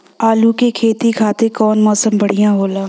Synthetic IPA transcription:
aːlukekʰeːt̪ikʰaːt̪ekɔːnmɔːsəmbəɽ̤ijãɦoːlaː

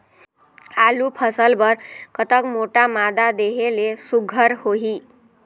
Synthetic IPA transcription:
alupʰʌsəlbʌɾkʌt̪əkmoʈamad̪ad̪eɦelesuɡʱəɾhoɦi

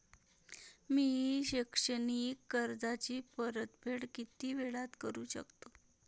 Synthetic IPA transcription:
miɕikʂənikːəɾd͡zat͡ɕiːpəɾət̪bʱeʈkit̪iːʋeɭat̪kəɾuːɕə̰kt̪o

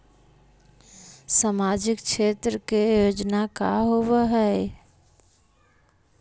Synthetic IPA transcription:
samad͡ʒɪk̚t͡ʃʰet̪ɾəkejod͡ʒnaka̰ɦoʋəɦɛ

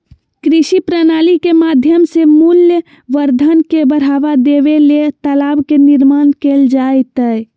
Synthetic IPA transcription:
kɾiʃipɾənalikemad̪ʱjəmsemuljə | ʋəɾd̪ʱənkebəɽ̤aʋad̪eʋelet̪əlabkeniɾmankeld͡ʒajt̪ə

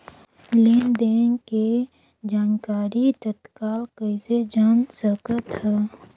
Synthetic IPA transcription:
leːnd̪eːnke | d͡ʒaːnkaːɾit̪ət̪kaːlkəɪsed͡ʒaːnsəkət̪hɛː

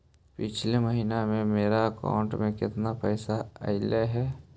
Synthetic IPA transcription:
pɪt͡ʃʰleməɦiːnamẽmeːɾaəka̰ʊ̃ɳʈmẽkɪt̪napɛːsaə̰ɪleɦɛː

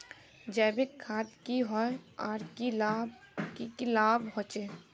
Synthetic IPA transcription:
d͡ʒɛːbekʰːaːt̪kiɦɔeaːɾkila | ikilaːbɦɔ̃ːt͡ʃeː

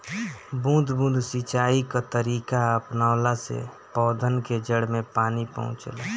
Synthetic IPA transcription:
bũːd̪ʱbũːd̪ʱsit͡ʃaːikat̪əɾiːkaəpnaːlasḛ | pɔːd̪ʱənked͡ʒəɽmẽpaːnipə̰̃ɦʊ̰̃t͡ʃla

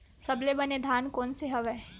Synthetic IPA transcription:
sɐblebɐned̪ʱaːnkɔːnseɦɐʋɛː

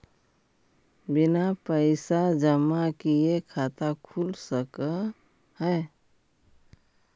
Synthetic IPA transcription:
bɪnapəɪsad͡ʒəmakiekʰat̪akʰulsəkə | hə

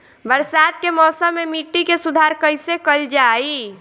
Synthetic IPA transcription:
bəɾsat̪kemɔːsəmːemiʈːikesud̪ʱaɾkəjsekəld͡ʒai

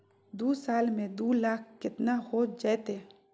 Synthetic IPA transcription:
d̪uːsaːlmẽd̪uːlaːkʰkɪt̪nahoːd͡ʒaet̪eː

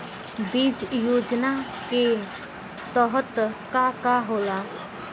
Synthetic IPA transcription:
bid͡ʒjoːd͡ʒna | ke | t̪əɦət̪kakaɦoːla

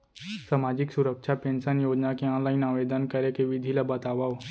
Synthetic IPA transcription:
saːmaːd͡ʒɪksʊɾəkʃapẽːnsənjoːd͡ʒnakeɔ̃ːnlaːɪnaːʋeːd̪ənkɐɾekeʋɪd̪ʱilabət̪aːʋao

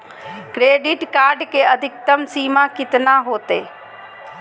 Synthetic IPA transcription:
kɾeːɖɪʈkaːɾɖkeɐd̪ʱɪk̚t̪əmsiːmakɪt̪naɦoːt̪ḛː

